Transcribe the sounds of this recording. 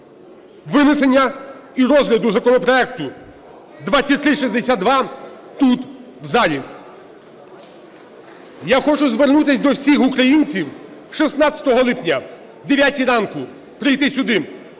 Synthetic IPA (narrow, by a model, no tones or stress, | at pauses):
ʋɪnɪsenʲːɐiɾɔzɦlʲɐd̪ʊzɐkɔnɔpɾɔɛk̚t̪ʊ | d̪ʋatt͡sʲːɐt̚ʲt̪ɾɪʃizʲd̪esʲad̪̚d̪ʋɑ | t̪ut̪ | wzɑlʲi | jaxɔt͡ʃʊzʋernut̪ɪsʲd̪ɔwsʲixukɾɐjinʲt͡sʲiwʃisnɑt͡sʲɐ̥t̪ɔɦɔlˠɪpnʲɐ | wd̪eʋʲjatʲiɾɑnkʊ | pɾɪjt̪ɪsʲʊd̪ɪ